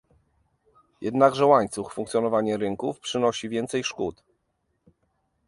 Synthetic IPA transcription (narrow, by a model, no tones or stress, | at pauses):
jʔɛd̪naɡʐɛwaɲt̪suffuŋkt̪sʲjɔnɔvaɲɛɾɘŋkufpʂɘnɔɕivʲjɛnt̪sɛjʂkut̪